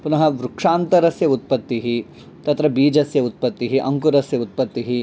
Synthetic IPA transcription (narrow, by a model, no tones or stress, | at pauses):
punɐɦɐʋɾukʂaːnt̪ɐɾɐsjɐut̪̚pɐt̪ːiɦi | t̪ɐt̪ɾɐbiːd͡ʒɐsjɐut̪̚pɐt̪ːiɦiʔɐŋkuɾɐsjɐut̪̚pɐt̪ːiɦi